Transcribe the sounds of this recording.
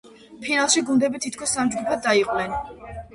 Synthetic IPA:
pʰinalˠʃiɡund̪ɛbit̪ʰit̪̚ʰkʰɔsːamd͡ʒɡupʰad̪̚d̪aiqʼwnɛn

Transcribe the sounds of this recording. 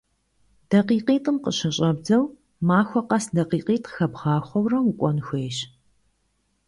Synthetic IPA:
d̥ɐqiːqiːtʼɨmqəɕɐɕʼɐbd͡zɐw | maːxʷɔqɐsdɐqiːqiːtʼxɐbʁɑːxʷɔwrɐmukʷʼɔnxʷeːɕ

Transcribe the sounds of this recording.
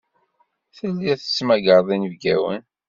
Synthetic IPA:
θəlːiθə̥smæɡəɾˤðˤinəvɡæwə̰n

